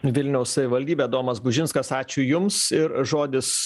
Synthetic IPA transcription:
ʋʲɪlʲnʲɛʊssɐʋʲɪʋɐlʲd̪ʲiːbʲeːd̪oːmɐsbʊʒʲɪnskɐsɑːt͡ʃʲʊjʊmsɪɾʒoːd̪ʲɪs

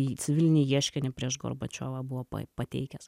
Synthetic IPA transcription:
it͡s̪ʲɪʋʲɪlʲɪnʲijiɛʃʲkʲɛnʲɪpʲɾʲiɛʃɡo̰ɾbɐt͡ʃʲoːʋɑːbʊʋoːpɐ̰pɐt̪ʲɛ̰ɪkʲɛs

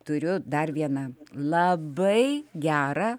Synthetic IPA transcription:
t̪ʊɾʲʊd̪ɐrʋʲiɛnɐlˠɐbɐɪɡʲæːɾɐ

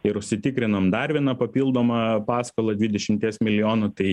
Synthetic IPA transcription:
ɪɾʊʃʲsʲɪt̪ʲɪkɾʲɪnɐmd̪ɐɾʋʲiɛnɐpɐpʲiːlˠd̪oːmɐpɑːskoːlˠɐd̪ʲʋʲɪd̪ʲɛʃʲɪmʲt̪ʲiɛsmʲɪlʲɪjoːnʊt̪ɐɪ

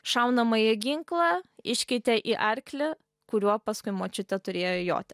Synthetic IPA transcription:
ʃɐʊnɐmɐɪɡʲɪŋklˠɑɪʃʲkʲɛɪt̪ʲɛʔiʔɐɾʲklʲɪ | kʊɾʲuɔpɐskʊɪmoːt͡ʃʲɪt̪ʲɛt̪ʊɾʲeːjojo̰ːt̪ʲɛ

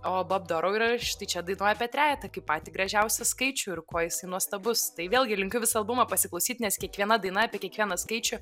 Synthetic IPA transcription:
oːboːbd̪oːɾoʊiɾɐʃt̪ɐɪt͡ʃʲɛd̪ɐɪnoɔjɛpʲɛt̪ʲɾʲæːjɛt̪ɐkɐɪppɑːt̪ʲiːɡɾɐʒʲɛʊsʲɛskɐɪt͡ʃʲʊɪrkoːjɪsɐɪnuɔst̪ɐbʊst̪ɐɪʋʲeːlˠʲɡʲɪlʲɪŋʲkʲʊʋʲɪsɐɐlˠbʊmɐpɐsʲɪklˠɐʊsʲiːt̪ʲnʲɛskʲiɛkʋʲiɛnɐd̪ɐɪnɐɐpʲɛkʲɛkʋʲiɛnɐskɐɪt͡ʃʲʊ

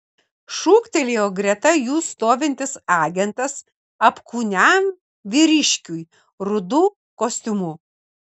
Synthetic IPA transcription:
ʃuːkt̪ʲɛlʲeːoːɡɾʲɛt̪ɐjuːst̪oːʋʲɪnʲt̪ʲɪsɑːɡʲɛnt̪ɐs | ɐpkuːnʲæm | ʋʲɪɾʲɪʃʲkʲuj | ɾʊd̪uː | koːsʲt̪ʲʊmʊ

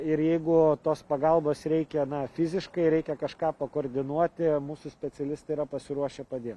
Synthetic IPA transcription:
ɪɾjɛɪɡʊt̪oːspɐɡɐlˠboːsɾʲɛɪkʲɛnɐfʲɪzʲɪʃkɐɪɾʲɛɪkʲɛkɐʃkɑːpɐkoːɾʲd̪ʲɪnuɔt̪ʲɪmuːsʊsʲpʲɛt̪sʲɛlʲɪst̪ɐɪiɾɐpɐsʲɪɾuɔʃʲɛpɐd̪ʲeːt̪

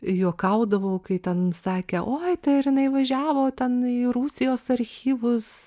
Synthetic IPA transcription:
juɔkɐʊd̪ɐʋoːkɐɪt̪ʲɛnsɑːkʲeʔoːɐɪt̪ɐɪɾjɪnɐɪʋɐʒʲæːʋoːt̪ʲɛniːɾuːsʲɪjoːsɐɾʲxʲiːʋʊs

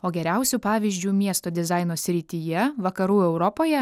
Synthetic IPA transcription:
oːɡʲɛɾʲæˑʊsʲupɑːʋʲiːzʲd͡ʒʲuːmʲiɛst̪oːd̪ʲɪzɑɪnoːsʲɾʲɪt̪ʲijɛʋɐkɐɾuːɛʊɾɔpoːjɛ

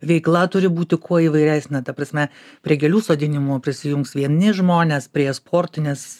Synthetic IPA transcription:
ʋʲɛɪklˠɐt̪ʊɾʲɪbuːt̪ʲɪkʰuɔiːʋɐɪɾʲæːsʲnʲɛt̪ɐpɾɐsʲmʲɛ | pʲɾʲiɛɡʲɛlʲuːsoːd̪ʲɪnʲɪmupʲɾʲɪsʲɪjʊŋksʋʲiɛnʲɪʒmoːnʲeːspʲɾʲiɛspʰoːɾʲt̪ʲɪnʲɛs

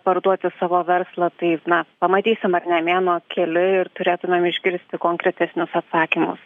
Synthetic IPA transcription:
pɐɾd̪uɔt̪ʲɪsɑːʋoːʋʲɛɾslˠɐt̪ɐɪnɐpɐmɐt̪ʲiːsʲɪmɐrnʲɛmʲeːnoːkʲɛlʲɪɪɾt̪ʊɾʲeːt̪ʊmʲeːmɪʒʲɡʲɪɾʲsʲt̪ʲɪkoːŋkɾʲɛt̪ʲɛsʲnʲʊsɐt̪sɑːkʲimʊ̰s

